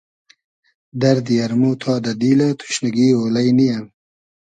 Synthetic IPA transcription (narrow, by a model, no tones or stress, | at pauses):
d̪ɐɾd̪ijɐɾmuːt̪ʰɑːd̪ɐd̪iːlat̪ʰu̥ʃnaɡiːoːlajnijam